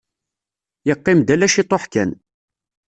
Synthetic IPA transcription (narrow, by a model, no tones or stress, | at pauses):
jəqːɪmd̪ælæʃit̪ˤoħkæn